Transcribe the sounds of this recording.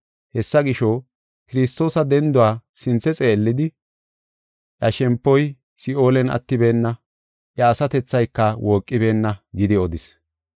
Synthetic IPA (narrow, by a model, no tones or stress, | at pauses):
hɛsːɐɡɪʃoː | kɪɾɪst̪o̞ːsɐd̪ɛnd̪ʊwaːsɪnt͡sːɛt͡sʼe̞ːlːɪd̪ɪ | ʔjɐʃɛmpːɔj | sɪo̞ːlɛnɐ̰t̪ːɪbe̞ːnːɐ | ʔjɐːsɐt̪ɛt͡sːɐjkːɐwʔoːkʼːɪbe̞ːnːɐɡɪd̪ɪɔd̪ɪs